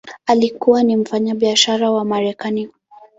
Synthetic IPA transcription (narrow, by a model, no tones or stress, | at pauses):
alikuwanim̩faɲaɓiaʃaɾawamaɾɛkani